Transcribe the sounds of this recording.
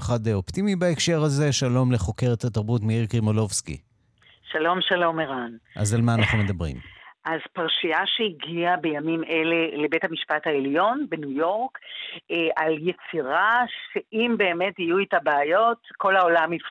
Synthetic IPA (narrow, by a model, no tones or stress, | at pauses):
χadeo̞ptimibaekʃe̞ʁhaze̞ʃalo̞mle̞χo̞ke̞ʁethataʁbutmiiʁkimolo̞vskḭ | ʃalo̞mʃalo̞meʁanʔa̰zalmaːnnaχnume̞d̪ɐbʁḭmʔazpaʁʃiaʃeiɡiabe̞jamimʔe̞le̞lebethamiʃpathaeljo̞nbenujo̞ʁk | ʔaljet͡siʁaʃeʔimbe̞ːme̞tijuitabaːjo̞tko̞lao̞lamif